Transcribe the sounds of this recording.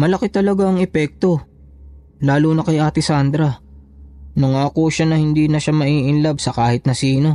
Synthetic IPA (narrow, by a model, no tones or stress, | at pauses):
mɐlɐkɪt̪ɐlɐɡaɐŋɛpɛk̚t̪o̞ | laːluːnɐkɐjʔaːt̪ɪsand̪ɾɐ | nʊŋakoːʃanɐhɪnd̪iːnɐʃamɐʔiːʔɪnlab̚sɐkaːhɪt̪̚nɐsiːno̞